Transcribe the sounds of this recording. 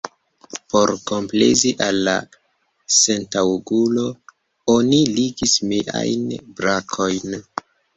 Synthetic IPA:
po̞ɾko̞mplḛziʔalːa̰ | sentawɡulo̞ | oniliɡismeʔa̰jnbɾakʰo̞jn

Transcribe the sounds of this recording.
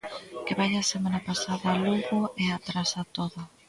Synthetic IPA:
keβajasemanapasaðɐluɣoeat̪ɾasat̪oðʊ

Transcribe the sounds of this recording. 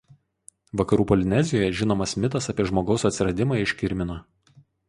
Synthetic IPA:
ʋɐkɐɾuːpɔlʲɪnʲɛzʲɪjoːjɛʒʲɪnoːmɐsmʲɪt̪ɐsɐpʲiɛʒmoːɡɒʊsɐt̪ʲsʲɪɾɐd̪ʲɪmɑːˑɪʃʲkʲɪɾʲmʲɪnoː

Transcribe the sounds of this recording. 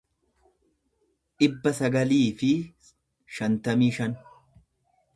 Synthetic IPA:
ᶑɪbːɐsɐɡɐliːfɪ | ʃɐnt̪ɐmiːʃɐn

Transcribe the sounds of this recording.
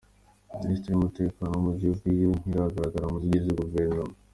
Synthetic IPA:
ministɾiumute̞ːkaːnoumuziuvɡijoŋ̥iɾahaɡaɾaɡaɾamuziɟizuɡuveɾnomo

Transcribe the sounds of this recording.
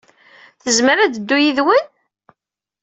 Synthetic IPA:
θəzməɾæd̪əd̪ːujiðwən

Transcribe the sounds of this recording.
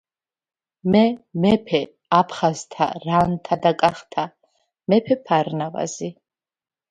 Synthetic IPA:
mɛmɛpʰɛ | apʰχazt̪ʰa̰ɾant̪ʰad̪akʼaχt̪ʰa | mɛpʰɛpʰaɾnava̰zi

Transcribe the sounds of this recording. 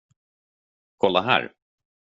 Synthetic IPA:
kʰɔlːaɦæ̰ːɾ

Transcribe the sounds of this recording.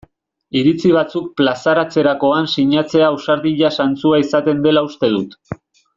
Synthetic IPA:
iɾit͡siβ̞at͡suk̚plasaɾat͡se̞ɾako̞ansiɲat͡se̞ausaɾðiʎasant͡suaisat̪e̞nd̪e̞laust̪e̞ð̞ut̪

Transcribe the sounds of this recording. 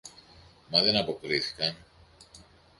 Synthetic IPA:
mɐðenɐpo̞kɾiθi̥kɐn

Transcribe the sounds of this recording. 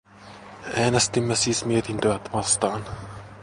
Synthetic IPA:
æːnest̪imːesiːsmiet̪int̪yʋæt̪ʋɑst̪ɑːn

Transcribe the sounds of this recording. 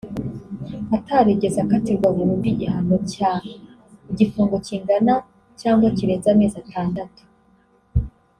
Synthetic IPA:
ataɾeɟezakateɡwaβuɾumdiɟihanoca | iɟifuːŋɡo̞ciːŋɡana | caːŋɡwaciɾezameːzatʰaːndatu̥

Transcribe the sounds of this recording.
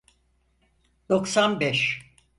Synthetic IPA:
d̪̥oksanbɛʃ

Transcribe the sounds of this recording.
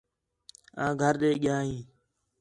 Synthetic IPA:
ãːɡʱəɾɗ̪eːɠɪjãːɦĩː

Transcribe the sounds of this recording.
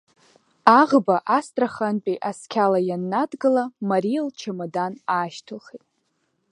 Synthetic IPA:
aʁbaʔastʼraχanpʼiʔaskʲʰalajanːadɡɨlamaɾilt͡ʃʰamadanaːʃtʰɨlχetʼ

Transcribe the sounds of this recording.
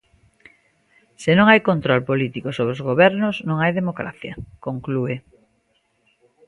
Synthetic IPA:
senõŋajkont̪ɾɔlpolit̪ikosoβɾozɣ̞oβɛɾnʊznõŋajðemokɾa̰θjɐ̰koŋklue

